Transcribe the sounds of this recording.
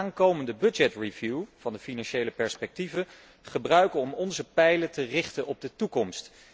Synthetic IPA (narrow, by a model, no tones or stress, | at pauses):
aːŋkowməndəbɵd͡ʒɛtrivjuv̥ɑndəfinɑnʃejləpɛɹspɛk̚tivə | χəbrœɥkəɔmɔnzəpɛjlətərɪχtənʔɔb̚dətukɔmst